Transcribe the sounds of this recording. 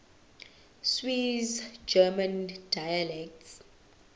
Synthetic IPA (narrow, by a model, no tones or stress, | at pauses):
swizd͡ʒɛmãndajalɛk̚ts